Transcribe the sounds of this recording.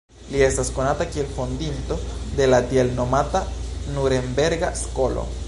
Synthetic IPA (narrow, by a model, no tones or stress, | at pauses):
lie̞stasko̞nat̪akie̞lfo̞nd̪int̪o̞d̪e̞lad̪ielnomat̪anuɾe̞mbe̞ɾɡaskolo̰